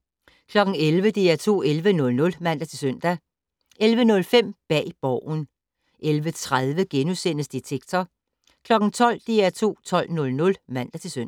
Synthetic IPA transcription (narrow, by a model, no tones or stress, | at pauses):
kʰlɒ̽ɡ̥ŋ̩elʋəd̥eæɐt͡sʰo̝̰ːelʋənɔ̽lnɔ̽lmæn̰d̥æt͡sʰe̝lsøn̰d̥æ | elʋənɔ̽lfem̰b̥ɛ̰ːb̥ɒʊ̰n | ʔelʋət͡sʰʁaðˠʋəɡ̥enusen̰əsd̥et͡sʰeɡ̥̚t͡sʰɐ | kʰlɒ̽ɡ̥n̩t͡sʰɒ̽l̰d̥eæɐt͡sʰo̝̰ːt͡sʰɒ̽l̰nɔ̽lnɔ̽lmæn̰d̥æt͡sʰe̝lsøn̰